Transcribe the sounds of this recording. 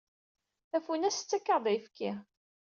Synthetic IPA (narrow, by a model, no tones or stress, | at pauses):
æfunæst͡sːækːɑɾd̪ˤifkʰːi